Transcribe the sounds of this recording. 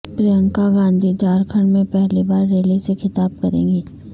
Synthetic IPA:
pɾijə̃ŋkaɡãːnd̪ʱid͡ʒaːɾkʰəɽ̃mẽpɛɦlibaːɾːeːlisexʰɪt̪aːb̚kɐɾḛ̃ːŋɡiː

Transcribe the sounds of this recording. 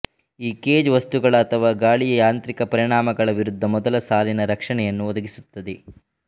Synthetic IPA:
iːkeːd͡ʒʋɐst̪uɡɐɭɐːt̪ʰɐʋaːɡaːɭijɐjaːnt̪ɾikɐpɐɾiɳaːmɐɡɐɭɐʋiɾud̪ʱːɐmɔd̪ɐlɐsaːlinɐɾɐkʂɐɳɛjɐnːuɔd̪ɐɡisut̪ːɐd̪e

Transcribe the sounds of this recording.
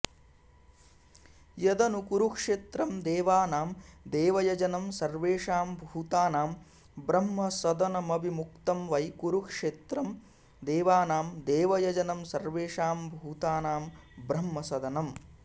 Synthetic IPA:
jɐd̪ɐnukuɾukʂeːt̪ɾɐmd̪eːʋaːnaːmd̪eːʋɐjɐd͡ʒɐnɐmsɐɾʋeːʂaːmbʱuːt̪aːnaːm | bɾɐmːɐsɐd̪ɐnɐmɐbʱimuk̚t̪ɐmʋɐjkuɾukʂeːt̪ɾɐm | d̪eːʋaːnaːmd̪eːʋɐjɐd͡ʒɐnɐmsɐɾʋeːʂaːmbʱuːt̪aːnaːmbɾɐmːɐsɐd̪ɐnɐm

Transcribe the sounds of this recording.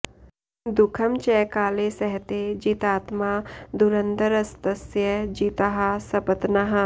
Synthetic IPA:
d̪ʊkʰɐmt͡ʃɛkaːlesɐɦt̪ed͡ʒiːt̪aːt̪mad̪uɾənd̪əɾɐst̪ɐsjəd͡ʒiːt̪aɦɐsɐpət̪naɦɐ

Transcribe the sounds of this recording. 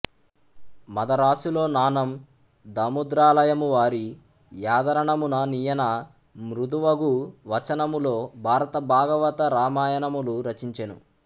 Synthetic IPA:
mɐd̪ɐɾaːsuloːnaːnɐm | d̪ɐmud̪ɾaːlɐjɐmuʋaːɾi | jaːd̪ɐɾɐɳɐmunɐnijɐnɐ | mɾud̪uʋɐɡuʋɐt͡ʃɐnɐmulo̞ːbʱaːɾɐt̪ɐbʱaːɡɐʋɐt̪ɐɾaːmaːjɐnɐmuluɾɐt͡ʃiɲt͡ʃenṵ

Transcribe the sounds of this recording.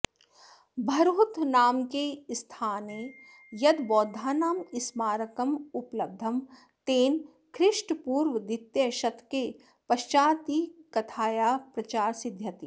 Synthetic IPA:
bʱɐɾɦʊt̪naːmkest̪ʰaːneː | jɐd̪ʋɔːd̪ʱaːnaːmɪsmaːɾɐkɐmʊplɐb̚d̪ʱːɐm | t̪eːn | kʰɾɪʃʈpuːɾʋəd̪ɪt̪jɐʃɐt̪ʰke | pɐʃt͡ʃaːt̪iːkɐt̪ʰaːjaːpɾɐt͡ʃaːɾsɪd̪ʱjɐt̪i

